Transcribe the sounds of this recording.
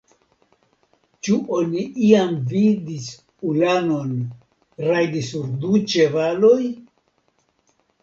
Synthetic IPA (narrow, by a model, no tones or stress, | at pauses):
t͡ʃuʔo̞niʔiamvidis | ulano̞n | ɾajdisuɾdut͡ʃe̞valoj